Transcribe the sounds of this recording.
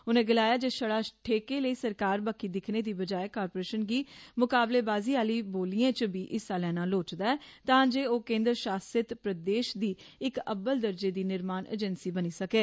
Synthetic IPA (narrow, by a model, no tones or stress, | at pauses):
ʊnẽːɡɪlaːjaːd͡ʒeːʃəɽaːʈʰeːkeːləiːsəɾkaːɾbaːkiːd̪ɪkʰneːd̪iːbəd͡ʒaːeːkaːɾpoːɾeːʃənɡiːmʊkaːbleːbaːziːaːliːboːliːãːt͡ʃəbiːʔɪsːaːlɛːnaːloːt͡ʃd̪aːɛːt̪ãːd͡ʒeːoːkẽːnd̪ɾəʃaːsət̪pɾəd̪eːʃd̪iː | ɪkə̰bəld̪əɾd͡ʒeːd̪iːnɪɾmaːnʔḛːd͡ʒɛnsiːbəniːsəkeː